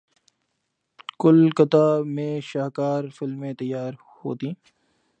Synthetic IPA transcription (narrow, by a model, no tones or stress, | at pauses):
kʊlkət̪aːmẽːʃaːɦkaːɾfɪlmːẽːt̪əjːaːɾ | ho̰ːt̪iː